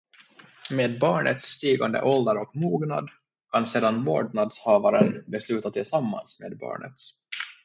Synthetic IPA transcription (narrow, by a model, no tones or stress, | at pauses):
meːd̪̚bɑːɳə̰t̪sːt̪iːɡand̪ə̰ʔɔld̪əɾɔkmuːɡna̰d̪ | kʰanseːd̪anmo̰ːɖɳad̪shɑːvaɾənbɛslʉ̟ːt̪at̪ʰɪlsamːa̰nsmeːd̪̚bɑ̰ːɳə̰t̪s